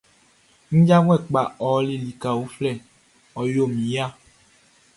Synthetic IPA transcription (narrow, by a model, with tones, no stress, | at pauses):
ŋ̩˦d͡ʒa˦ŋ˦ɛ˦˨k͡pa˨ɔ˨˦li˨li˨ka˨wo˨˦flɛ˦˨ | ɔ˨jo˦˨mĩ˨˦ja˦